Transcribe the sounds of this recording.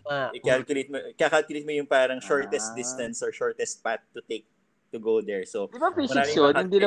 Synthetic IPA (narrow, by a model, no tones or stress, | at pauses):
aʔɪkalkjʊlɪt̪̚mokakalkʊlɪt̪mojʊŋpaːɾɐŋʃɔɹt̪ɛs̚d̪ɪst̪ɐnsɔɹʃɔɹt̪ɛst̪̚pat̪̚ːʊt̪ek̚ | t̪ʊɡod̪ɛɹsod̪ɪbafisɐɪaonhɪnd̪ilɐ